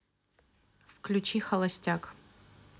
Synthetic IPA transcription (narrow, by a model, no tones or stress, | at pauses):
fklʲut͡ʃixɐlˠɐsʲtʲak